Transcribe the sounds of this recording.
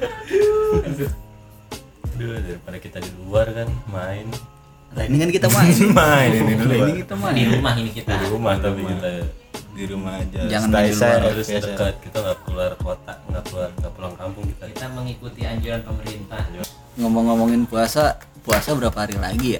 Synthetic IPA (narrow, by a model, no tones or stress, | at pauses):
dudaɾipadakit̪adiluarkanmaɪn | t̪ainikankit̪amamaɪniunikit̪amadiɾumaɦinikit̪aiɾumaht̪abiiladiɾumahad͡ʒad͡ʒaŋanailuaaɾʊsd̪əkaat̪̚kit̪aŋɡakuluarkot̪aŋɡapuarŋɡapulaŋkampʊŋki̥t̪ait̪aməŋikut̪iaɲd͡ʒuɾanpəməɾint̪ahd͡ʒ | ŋomɔŋːomɔŋɪnpuasa | puasabəɾapaɦaɾila̰ɡija